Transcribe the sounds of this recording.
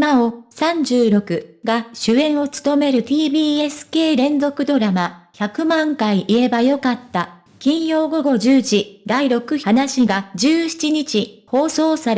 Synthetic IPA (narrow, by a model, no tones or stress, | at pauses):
imaosãɲ̟d͡ʑɨːɾo̞kɯ̟ɡaɕɨẽ̞ɰ̃o̞t͡sɨ̥t̪o̞me̞ɾɯ̟t̪ʲiːbʲiːe̞sɨ̥ke̞ːɾẽ̞nd͡zo̞kɯ̟d̪o̞ɾamaçakɯ̟mãŋkaiʔie̞bajo̞kat̪ːa | kʲĩɰ̃jo̞ːɡo̞ɡo̞ʑɨːʑid̪aiɾo̞kɯ̟hanaɕiɡad͡ʑɨːɕi̥t͡ɕiɲit͡ɕiho̞ːso̞ːsaɾ